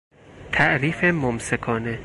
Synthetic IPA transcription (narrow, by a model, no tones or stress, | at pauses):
t̪ʰæʔɾiːfemomsekʰɒːne